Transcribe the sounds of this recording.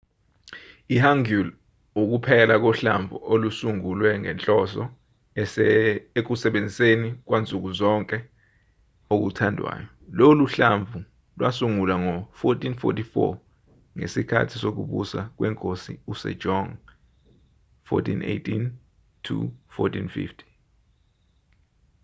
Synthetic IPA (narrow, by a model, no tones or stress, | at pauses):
ihaŋul | uk̬upʰɛlak̬ɔɬa̰ɱvʱṵʔolusuŋulwɛŋɛ̰nt͡ɬʼɔsɔ̰ | ek̬usɛɓend͡zʱisenik̬want͡sʼuk̬uzɔŋkʼɛ | ok̬ṵtʰandʱwa̰ːjɔloluɬaɱvʱu | lwʔasuŋulaŋɔfɔtʰʼinfɔ̰tifɔ̰ | ŋesikʰa̰tʰisok̬ṵɓusa̰k̬wɛŋkʼosḭusɛ̰̥ʒ̥ʱɔŋ | fɔ̰tʰḭnḛtʰʼin | tʰṵfɔ̰tʰinfḭftʰi̥